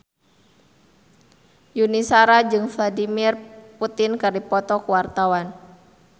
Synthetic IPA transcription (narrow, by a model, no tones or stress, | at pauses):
junisaɾad͡ʒɨŋfladimirput̪ɪnkɨrdipɔt̪ɔkuwart̪awan